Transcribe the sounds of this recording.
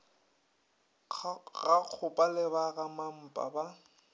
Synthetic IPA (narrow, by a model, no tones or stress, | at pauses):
ɣaq͡χʰʊpʼalɪbaɣamam̩pʼa̰ba